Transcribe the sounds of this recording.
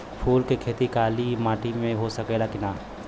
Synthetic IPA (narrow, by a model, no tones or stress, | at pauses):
pʰuːlkekʰeːt̪ikaːlimaːʈimẽɦosɐkeːlakɪnaː